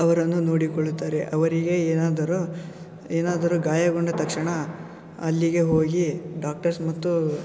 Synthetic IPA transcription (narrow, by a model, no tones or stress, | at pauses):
ɐʋɐɾɐnːunoːɽikoɭut̪ːaːɾeʔɐʋɐɾiɡe̞eːnaːd̪ɐɾu | eːnaːd̪ɐɾuɡaːjɐɡoɳɖɐt̪ɐkʂɐɳɐ | ɐlːiɡe̞ɦo̞ːɡiɖaːk̚ʈɐɾsmɐt̪ːu